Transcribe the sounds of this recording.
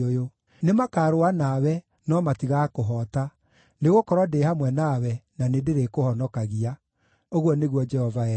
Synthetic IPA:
ojo | nemakaːɾoanawɛ | nɔmatiɣakoɦɔta | neɣokɔɾwɔdehamwɛnawɛnanedeɾekohɔnɔkaɣia | oɣwɔneɣwɔd͡ʒɛhɔva

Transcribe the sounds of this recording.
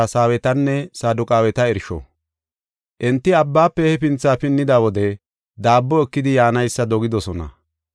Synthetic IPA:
saːwɛt̪ɐnːɛsaːd̪ʊkʼaːwɛt̪ɐɛɾʃɔ̰ | ʔɛnt̪ːɪɐbːaːpːɛhɛpɪnt͡sːaːpɪnːɪd̪awɔd̪ɛ | d̪aːbːɔɛkːɪd̪ɪjaːnɐjsːɐd̪ɔɡɪd̪ɔsɔnɐ̰

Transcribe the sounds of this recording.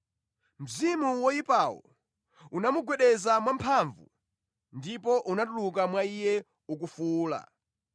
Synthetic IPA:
m̩zimuwɔipawɔ̰ | unamuɡwɛɗɛzamwampʰaɱvṵ | ndipɔʔunatuluk̬amwaijɛ | uk̬ufuːla̰

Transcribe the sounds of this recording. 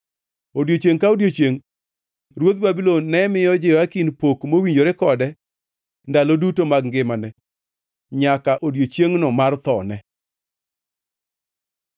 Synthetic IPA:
odjot͡ʃjeŋkaodjot͡ʃjeŋ | ɾwot̪̚babilonːɛmɪjɔd͡ʒɪjɔakinpokmowiɲd͡ʒoɾɪkɔdɛ | ndalodutomaɡŋɡɪmanɛ | ɲakaʔodjot͡ʃeŋnɔmart̪ɔnɛ

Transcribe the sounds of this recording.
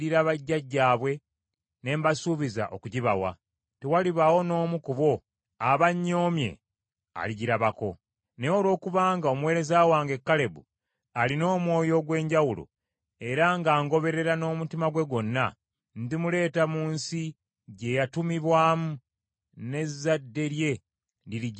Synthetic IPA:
iɾaβaɟːaɟːaːβwe̞ | ne̞ːmbasuβiza̰ʔo̞kuɟiβa̰wa̰ | tewaliβawo̞no̞ːmukuβo̞ | aβaɲːo̞ːmje̞̰ | a̰liɟiɾaβako̞ | neolo̞ːkuβaːŋɡao̞muwe̞ːɾe̞zawaːŋɡe̞kːale̞bṵ | alino̞ːmwo̞ːjo̞ɡwe̞ːɲɟawulo̰ | e̞ɾaŋɡaːŋɡo̞βe̞ɾe̞ɾano̞ːmutimaɡwe̞ɡo̞nːa | ndimule̞ːtamuːnsi | ɟe̞jatumiβwaːmu | ne̞zadːe̞ɾje̞ | dili

